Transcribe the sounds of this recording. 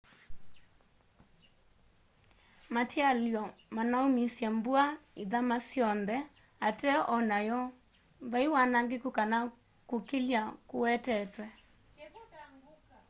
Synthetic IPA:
mataljɔmanaumisjɛmbuaiðamasjɔnðɛ | atɛʔɔnajɔ | vaiwanaŋɡekukana | kokeljakowɛtɛtwɛ

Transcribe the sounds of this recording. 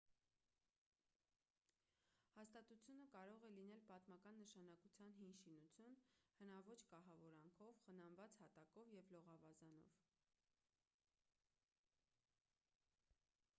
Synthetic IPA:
hɑst̪ɑt̪ut͡sʰjunəkɑɾɔʁɛlinɛlpɑt̪mɑkɑnːəʃɑnɑkut͡sʰjɑnɦinʃinut͡sʰjunhənɑvɔt͡ʃʰkɑɦɑvɔɾɑŋkʰɔvχənɑnvɑt͡shɑt̪ɑkɔvjɛvlɔʁɑvɑzɑnɔ̰v

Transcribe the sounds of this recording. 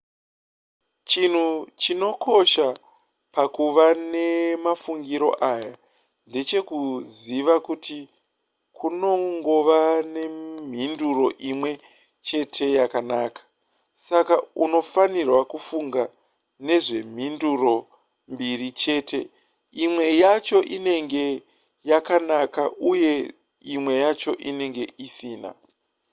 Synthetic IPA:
t͡ʃin̤ut͡ʃino̞ko̞ʃa | pakuʋane̞mafuŋɡiɾo̞̰ʔaːja | nde̞t͡ʃe̞kuziʋakuti | kʰuno̞ŋɡo̞ʋane̞m̤induro̞ʔimwe̞ | t͡ʃe̞tʰe̞jakanaːkḁ | sakauno̞fanirwakufuŋɡa | ne̞ʐe̞m̤induro̞ | mbirit͡ʃe̞ːte̞̰ | imwe̞jat͡ʃo̞ʔine̞ŋɡe̞ | jakanakaʔuje̞ | imwe̞jat͡ʃo̞ʔine̞ŋɡe̞ʔisiːna̰

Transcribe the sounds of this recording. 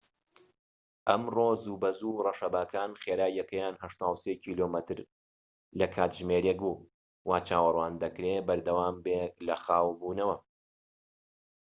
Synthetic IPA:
ʔɐmroːzuːbɐzurˤɐʃɐbaːkʰaːnχeːɾaːjːɐkɐjaːnhɐʃt̪aːwseːcʰiːlomɐt̪ɨɾ | lɐkʰaːt̪ʒmeːɾek̚buː | waːt͡ʃʰaːwɐrˤwaːnd̪ɐkɾeːbɐɾd̪ɐwaːmbeklɐxaːwbuːnɐwɐ

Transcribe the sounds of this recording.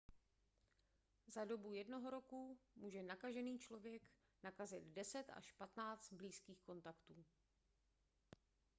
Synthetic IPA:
zado̞bujɛdno̞ɦo̞ɾo̞kumuːʒɛnakaʒɛniːt͡ʃlo̞vjɛk | nakazɪd̪dɛsɛt̪a̰ʃpat̪naːt͡st̪̚bliːskiːxko̞nt̪akt̪uː

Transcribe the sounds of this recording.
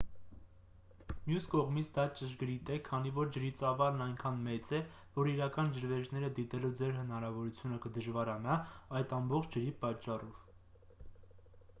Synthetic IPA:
mjuskɔʁmit͡sʰd̪ɑt͡ʃəʒɡəɾit̪ɛkʰɑnivɔɾd͡ʒəɾit͡sɑvɑlnɑjŋkʰɑnmɛt͡sɛ | vɔɾiɾɑkɑnd͡ʒəɾvɛʒnɛɾəd̪it̪ɛlud͡zɛɾɦənɑɾɑvɔɾut͡sʰjunəkəd̪əʒvɑɾɑnɑɑjt̪ɑmbɔχt͡ʃʰd͡ʒəɾipɑt͡ʃːɑrɔv̥

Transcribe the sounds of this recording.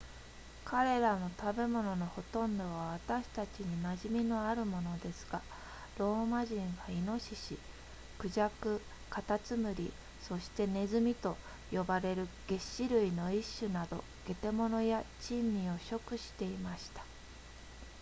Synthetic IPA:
kaɾe̞ɾano̞t̪abe̞mo̞no̞no̞ho̞t̪õ̞nd̪o̞β̞aβ̞at̪aɕi̥t̪at͡ɕiɲ̟imaʑimʲino̞aɾɯ̟mo̞no̞d̪e̞sɨ̥ɡ̥a | ɾo̞ːmaʑĩɰ̃βaino̞ɕiɕi | kɯ̟ʑakɯ̟ | kat̪at͡sɨmɯ̟ɾʲḭ | so̞ɕi̥t̪e̞ne̞zɨmʲit̪o̞ | jo̞baɾe̞ɾɯ̟ɡ̥e̞ɕiɾɯ̟ino̞iɕːɨnad̪o̞ | ɡ̥e̞t̪e̞mo̞no̞jat͡ɕĩmːʲio̞ɕo̞kɯ̟ɕi̥t̪e̞imaɕi̥t̪ḁ

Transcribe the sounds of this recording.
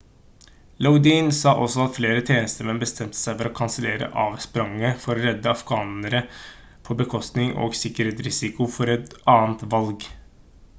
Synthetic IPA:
laʊd̪iːnsɑːʔɔsɔɑt̪fleːɾət̪ʰeːnəst̪əɾmɛnbəst̪ʰɛmt̪ʰə̥sæɪfɔɾɔkʰɑnsəleːɾə̰ʔɑːʋspɾɑŋːəfɔɾɾɛd̪ːəɑfɡɑːnəɾə | pʰɔbəkʰɔst̪nɪŋo̰ːɡsɪkːəɾheːt̪ɾɪsɪkʊfɔɾɛt̪ɑːənt̪ʋɑlɡ

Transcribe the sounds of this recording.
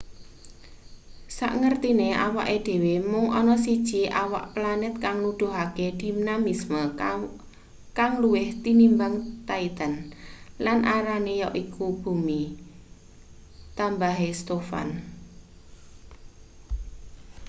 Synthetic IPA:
sa̰ʔŋərt̪ineʔawaʔeɖ̪̥e̤wemʊŋɔnɔsid̥ʒ̥iʔawa̰ʔplanɪt̪̚kaŋnud̥ʊ̤ɦaked̪̥i̤mnamismə | kaŋluwɪht̪inimbaŋt̪ait̪ənlanʔaɾanejɔʔikʰub̥ṳmi | t̪ambaɦest̪ofa̰n

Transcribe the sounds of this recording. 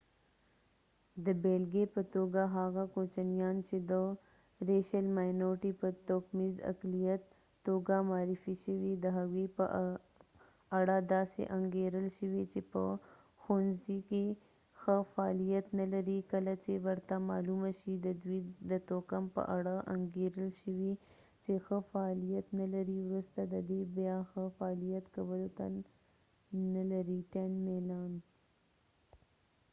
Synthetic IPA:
d̪əbelɡepət̪oɡaɦaɣakot͡ʃanijɑnt͡ʃed̪ə | ɾeʃalmajnoɾʈipət̪okmiza̰klijat̪ː | oɡamɑːɾifiʃəwid̪əɦaɣipə̰ | aɽad̪ɑsḛʔaŋɡeɾəlʃəwit͡ʃepə̰ | xonzike | xəfaɑlijat̪nalaɾikəlat͡ʃewəɾt̪amɑ̰lumaʃid̪əd̪wid̪ət̪okampə̰ʔaɽaʔa̰ŋɡeɾəlʃəwi | t͡ʃexəfaːlijat̪nalaɾiwɾust̪ad̪əd̪ebjɑxəfaːlijat̪kawəlot̪a | nalaɾiʈaɳmelɑn

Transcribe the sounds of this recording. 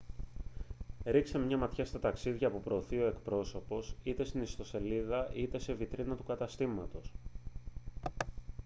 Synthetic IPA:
ɾiksemmɲɐmɐt̪çɐst̪ɐt̪ɐksiðʝɐːpupɾo̞ːθio̞e̞kpɾo̞so̞po̞sit̪e̞st̪inist̪o̞se̞liðɐʔit̪e̞se̞vit̪ɾinɐt̪ukɐt̪ɐst̪imɐt̪o̞s

